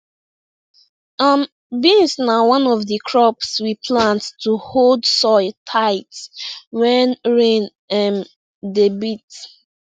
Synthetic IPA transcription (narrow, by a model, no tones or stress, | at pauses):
am | bisnawãnɔvðikʰɹɔpswipʰlãnttːuholdsɔɪtʰaɪtwɛ̃nɹẽn | ɛm | debit